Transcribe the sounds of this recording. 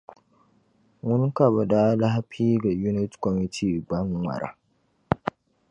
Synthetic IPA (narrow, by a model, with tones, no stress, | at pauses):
ŋʊ˦ŋ˦ka˨ba˨da˦la˦ha˦pʰiː˦ɡa˨ju˦nɪ˦tkɔ˨mi˦tʰiː˦ɡ͡bɐ˦ŋwʷa̰˨ɾa̰˦